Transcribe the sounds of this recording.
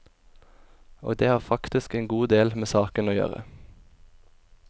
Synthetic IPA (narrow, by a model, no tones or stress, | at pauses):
o̰ːɡd̪eːhɑːʁfɑkt̪ɪskeːŋɡuːd̪eːlmeːsɑːkənoːjø̰ːʁə̰